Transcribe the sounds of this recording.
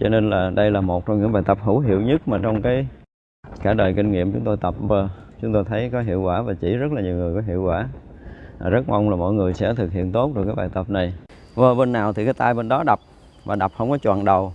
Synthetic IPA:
t͡ɕɔ˧ne˧nlaː˨˩ɗə˧jlaː˨˩mo˨˩t̚t͡ɕɔ˧ŋ͡mɲɨ̰˧˥ŋɓaː˨˩jt̪ə˨˩p̚hu˧˥ɦḭ˧˨əwɲɨ˦˥t̚maː˨˩t͡ɕɔ˧wŋ͡mkaː˨˦j | kaː˧˩ɗəː˨˩jkï˧ŋ̟ŋḭ˧˨əmt͡ɕʊ˨˦ŋ͡mt̪o˧jt̪ə˨˩p̚vəː˧ | t͡ɕʊ˨˦ŋ͡mt̪o˧jt̪ʰə˨˦jkɔ˨˦ɦḭ˧˨əwkwaː˧˩vaː˨˩t͡ɕḭ˧˩zə˦˥t̚laː˨˩ɲi˨˩wŋɨ˨˩əjkɔ˨˦ɦḭ˧˨əwkwaː˧˩˨ | zə˦˥t̚ma˧wŋ͡mlaː˨˩mo̰˧˥jŋɨ˨˩əjsɛ̰˧˥t̪ʰɨ˨˩k̚hḭ˧˨ənt̪o˦˥t̚ɗɨ˨˩kaː˨˦jɓaː˨˩jt̪ə˨˩p̚na˨˩j | vəː˧ɓe˧nːaː˨˩wt̪ʰi˨˩kaː˨˦jt̪aː˧jɓe˧nɗɔ˨˦ɗa˨˩p̚ | vaː˨˩ɗa˨˩p̚hə˧wŋ͡mkɔ˨˦t͡ɕwa̰ː˧˨nɗə˨˩w

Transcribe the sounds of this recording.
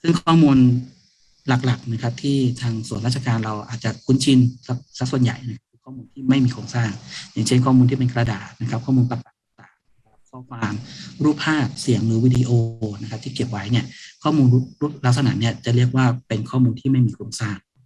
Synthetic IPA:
sɯ˥˩ŋkʰɔː˥˩muː˧n | la˨˩k̚la˨˩k̚na˦˥kʰa˦˥p̚t̪ʰiː˥˩t̪ʰaː˧ŋsu˨˩ənɾaː˥˩t͡ɕʰa˧kaː˧nɾa˧wʔa̰ː˨˩t̪̚t͡ɕa˨˩kʰu˧˦˥nt͡ɕʰi˧nsa˦˥k̚sa˦˥k̚su˨˩ənja̰˨˩jna˦˥kʰa˦˥p̚kɯː˧kʰɔː˥˩muː˧nt̪ʰiː˥˩ma˥˩jmiː˧kʰoː˧ŋsaː˥˩ŋjaː˨˩ŋt͡ɕʰe˥˩nkʰɔː˥˩muː˧nt̪ʰiː˥˩me˧nkɾa˧daː˨˩t̪̚na˦˥kʰa˦˥p̚kʰɔː˥˩muː˧npa˨˩k̚a˨˩t̪̚ːaː˨˩ŋt̪aː˨˩˦mna˦˥kʰa˦˥kʰɔː˦kʰwaː˧mɾu˥˩pʰːaː˥˩t̚si˨˩˦əŋɾɯː˩˦wiː˧˥diː˧ʔoː˧na˦˥kʰa˦˥pt̪ʰiː˥˩ki˨˩p̚wa˦˥jni˥˩ɐkʰɔː˥˩muː˧nu˦˥ɾu˦˥t̪̚la˦˥k̚sa˧na̰ː˩˦ni˦˥˩ɐt͡ɕa˨˩ɾi˥˩ək̚waː˥˩pe˧nkʰɔː˥˩muː˧nt̪ʰiː˥˩ma˥˩jmiː˧kʰoː˧ŋsaː˥˩ŋ

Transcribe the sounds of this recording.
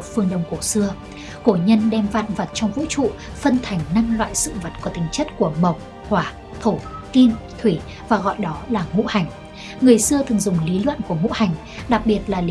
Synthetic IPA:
fɨ˧əŋɗə˧wŋ͡mku˧˩sɨ˧ə | ko˧˩ɲə˧nɗɛ˧mva̰ː˧˨nvə˨˩t̚t͡ɕɔ˧wŋ͡mvṵ˧˥t͡ɕṵ˧˨ | fə˧nt̪ʰa˨˩jŋ̟na˧mlwa̰ː˧˨jsɨ̰˧˨və˨˩t̚kɔ˧˨˩t̪ï˨˦ŋ̟t͡ɕə˦˥t̚ku˧˩əmə˨˩wk͡p̚ | hwaː˧˩ | t̪ʰo˧˩ki˧n | t̪ʰwi˧˩ | vaː˨˩ɣɔ̰˧˨jɗɔ˨˦laː˨˩ŋṵ˧˥ha˨˩jŋ̟ | ŋɨ˨˩əjsɨ˧ət̪ʰɨ˨˩ŋzʊ˨˩ŋ͡mli˨˦lwə̰˧˨nku˧˩əŋṵ˧˥ha˨˩jŋ̟ | ɗa˨˩k̚ɓi˨˩ət̚laː˨˩l

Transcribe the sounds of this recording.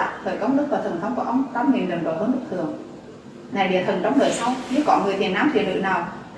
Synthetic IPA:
a̰˧˨˩t̪ʰəː˨˩jkə˧wŋ͡mɗɨ˦˥k̚vaː˨˩t̪ʰə˨˩nt̪ʰə˧˩wŋ͡mku˧˩əʔə˧wŋ͡mt̪aː˧˥mŋi˨˩nɗi˨˩ŋɗo̰˧˩həː˧˦nɗɨ˦˥t̪ʰɨ˨˩əŋ | na˨˩jɗḭ˧˩ət̪ʰə˨˩nt͡ɕɔ˧wŋ͡mɗəː˧˩jsa˧wɲɨ˧˥kɔ˧˦ŋɨ˨˩əjt̪i˨˩ənːaː˧˥mt̪ʰḭ˧˩lɨ̰˧˨naː˨˩w

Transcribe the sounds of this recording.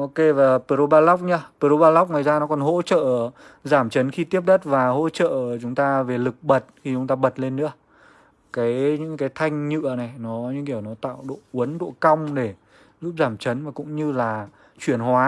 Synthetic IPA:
ʔo˧ke˧vaː˨˩pe˧˩ɾo˧ɓaː˧la˦˥wk͡p̚ɲa˧pe˧˩ɾo˧ɓaː˧la˦˥wk͡p̚ŋwaː˨˩jzaː˧nɔ˨˦kɔ˨˩nɦo̰˧˥t͡ɕə̰ː˧˨ | zaː˧˩mt͡ɕə˨˦nxi˧t̪i˦˥əp̚ɗə˦˥t̚vaː˨˩ho̰˧˥t͡ɕə̰ː˧˨˩t͡ɕʊ˨˦ŋ͡mt̪aː˧ve˨˩lɨ˨˩k̚ɓə˨˩t̚xi˧t͡ɕʊ˨˦ŋ͡mt̪aː˧ɓə˨˩t̚le˧nːɨ̰˧˥ə | kaː˨˦jɲɨ̰˧˥ŋkaː˨˦jt̪ʰa˧jŋ̟ɲɨ̰˧˨əna˨˩jnɔ˨˦ɲɨ̰˧˥ŋki˧˩ə˨wnɔ˨˦t̪a̰ː˧˨wɗo̰˧˨ʔu˨˦ənɗo̰˧˨ka˧wŋ͡mɗe˧˩ | zu˦˥p̚zaː˧˩mt͡ɕə˨˦nmaː˨˩kʊ̰˧˥ŋ͡mɲɨ˧laː˨˩ | t͡ɕwi˧˩ənhwaː˨˦

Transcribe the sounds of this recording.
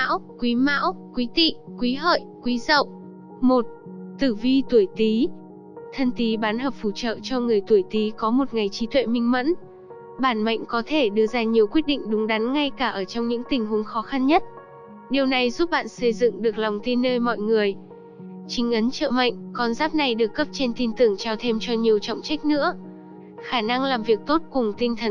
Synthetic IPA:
a̰˧˥wkwi˨˦ma̰ː˧˥wkwi˨˦t̪ḭ˧˨kwi˨˦ɦə̰ː˧˨jʔkwi˨˦zə̰˧˨w | mo˨˩t̚ | t̪ɨ˧˩vi˧t̪u˧˩əjt̪i˨˦ | t̪ʰə˧nt̪i˨˦ɓaː˨˦nhəː˨˩p̚fu˧˩t͡ɕə̰ː˧˨t͡ɕɔ˧ŋɨ˨˩əjt̪u˧˩əjt̪i˨˦kɔ˨˦mo˨˩t̚ŋa˨˩jt͡ɕi˨˦t̪ʰwḛ˧˨mï˧ŋ̟mə̰˧˥n | ɓaː˧˩nma̰˧˨ŋ̟kɔ˨˦t̪ʰe˧˩ɗɨ˧əzaː˧ɲi˨˩əwkwi˦˥ət̚ɗḭ̈˧˨ŋ̟ɗʊ˨˦ŋ͡mɗa˨˦nŋa˧jkaː˧˩ʔəː˧˩t͡ɕɔ˧wŋ͡mɲɨ̰˧˥ŋt̪ï˨˩ŋ̟hu˨˦əŋxɔ˨˦xa˧nɲə˦˥t̚ | ɗi˨˩əwna˨˩jzu˦˥p̚ɓa̰ː˧˨nsə˧jzɨ̰˧˨ŋɗɨ˨˩ək̚lɔ˨˩wŋ͡mt̪i˧nːəː˧jmɔ̰˧˨jŋɨ˨˩əj | t͡ɕï˨˦ŋ̟ʔə˨˦nt͡ɕə̰ː˧˨ma̰˧˨jŋ̟kɔ˧nzaː˦˥p̚na˨˧˩jɗɨ˨˩əkːə˦˥p̚t͡ɕe˧nt̪i˧nt̪ɨ˧˩əŋt͡ɕaː˧wt̪ʰe˧mt͡ɕɔ˧ɲi˨˩əwt͡ɕɔ̰˧˨wŋ͡mt͡ɕa˦˥jk̟̚nɨ̰˧˥ə | xaː˧˩na˧ŋlaː˨˩mvi˨˩ək̚t̪o˦˥t̚kʊ˨˩ŋ͡mt̪ï˧ŋ̟t̪ʰə˨˩n

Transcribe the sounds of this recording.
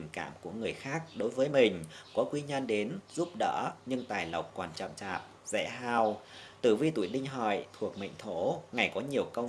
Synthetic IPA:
ŋ̟ka̰ː˧˨mku˧˩əŋɨ˨˩əjxaː˦˥k̚ɗo˨˦jvəː˨˦jmï˨˩ŋ̟kɔ˨˦kwi˧ɲə˧nɗe˨˦nzu˦˥p̚ɗə̰ː˧˥ɲɨ˧ŋt̪aː˨˩jlə˨˩wk͡p̚kwaː˨˩nt͡ɕɔ̰˧˨mt͡ɕaː˨˩p̚ | zɛ̰˧˥ɦaː˧wt̪ɨ˧˩vi˧t̪u˧˩˨jɗï˧ŋ̟ɦɔ̰˧˨jt̪ʰu˨˩ək̚mə̰˧˨jŋ̟t̪ʰo˧˩˥ŋa˨˩jkɔ˨˦ɲi˨˩əwkə˧w

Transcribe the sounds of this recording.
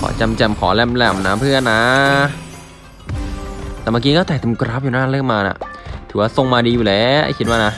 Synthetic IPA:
kʰɔ̰ː˨˩˦t͡ɕa˧mt͡ɕɛ˧˩mkʰɔː˩˦lɛ˧mlɛ˧˩mnaː˦˥mpʰɯ˥˩ənːa˦ | t̪ɛː˨˩ma˧k̬iː˧˥kɔ˥˩t̪ɛː˨˩t̪ʰːkɾa˦˥p̚juː˨˩naː˦˥˩lɯ˥˩əŋmaː˧na̰˨˩t̪ʰɯː˩˦waː˥˩so˧ŋmaː˧diː˧juː˨˩lɛː˨˦ʔa̰˧˥˩kʰi˦t̪̚waː˥˩na˦˥

